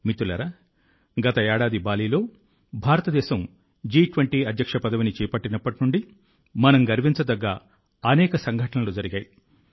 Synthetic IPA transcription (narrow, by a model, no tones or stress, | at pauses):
mit̪ːulɐ̰ɾɐ | ɡɐt̪ɐɛːɽaːd̪ibaːliːlo̞ː | bʱaːɾɐt̪ɐd̪ɛːʃɐm | d͡ʒiːʈʋɐɳʈiːɐd̪ʱjɐkʂɐpɐd̪ɐʋinit͡ʃɛːpɐʈːinɐpːɐʈinuɳɖi | mɐnɐmɡɐɾʋiɲt͡ʃɐd̪ɐɡːaː | ɐnɛːkɐsɐŋɡʱɐʈɐnɐluːd͡ʒɐɾiɡaːji